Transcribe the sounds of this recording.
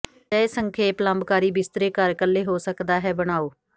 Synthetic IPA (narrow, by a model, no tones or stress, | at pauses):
d͡ʒɛːesəŋkʰeːpləmbkaːɾiːbɪst̪ɾeːkəɾkəlːeːɦoːsəkd̪aːɦɛːbəɽ̃aːoː